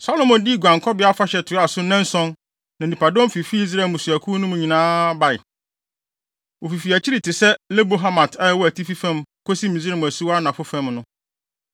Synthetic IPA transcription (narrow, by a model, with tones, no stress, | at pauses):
sa˦lo˦mɔ̃˨ndi˦˨ɡʷã˨ŋkʰɔ˦bɪ˨˦a˦fa˦ɕɛ˨tʰɪ˨˦a˨sʊ˦nɛ̃˦n˦sɔ̃˦n | nã˨nĩ˨pʰa˨dɔ̃˦m˦fi˨fi˦i˦s̬ɾa˨mʊ̃˨sʊ˨æ˨kʰu˦nʊ̃˦mʊ̃˨ɲĩ˨nãː˦ba˨ɪ˨ | wʔo˨fi˨fi˨æ˨t͡ɕʰi˦ɾi˨tʰɪ˨sɛ˦le˦bo˦ɦa˦mã˨tʰa˦˨wɔ˦æ˨tʰi˦fi˦fæ̃˦mkʰo˦si˦mĩ˨zɛ˦˨m̃˨æ˨su˦wa˦nã˨fʊ˦fɛ̃˦mnʊ̃˦